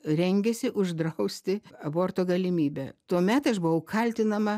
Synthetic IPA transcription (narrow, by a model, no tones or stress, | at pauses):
ɾʲɛŋʲɡʲɛsʲɪʔʊʒd̪ɾɐʊsʲt̪ʲɪɐboːrt̪oːɡɐlʲɪmʲiːbʲɛ̰t̪uɔmʲɛt̪ɐʃbʊʋɐʊkʰɐlʲt̪ʲɪnɐmɐ